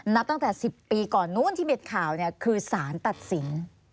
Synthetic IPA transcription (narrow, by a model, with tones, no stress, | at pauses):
na˦˥p̚t̪a˥˩ŋt̪ɛː˨˩si˨˩pːiː˧kɔː˨˩nːu˥˩nt̪ʰiː˥˩pe˧nkʰaː˨˩wni˥˩ɐkʰɯː˧saː˩˦nt̪a˨˩t̪̚si˩˦n